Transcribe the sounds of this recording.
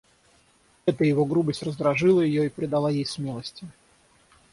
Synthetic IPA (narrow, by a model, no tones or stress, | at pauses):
ɛt̪əjɪvo̞ɡɾubəsʲtʲrəzd̪ɾɐʐɨlˠəjɪjoipɾʲɪd̪ɐlˠajejsmʲe̞lˠəsʲtʲɪ